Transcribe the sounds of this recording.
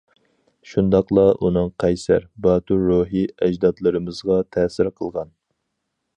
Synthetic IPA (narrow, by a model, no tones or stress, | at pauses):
ʃund̪ɑqlˠɑʔunɨŋqʰɛjsæ̰ɾbɑːt̪uɾːoɦɨɛd͡ʒd̪ɑd̪lˠɨɾɨmɨzʁɑt̪ʰɛːsɪɾqʰəlˠʁɑn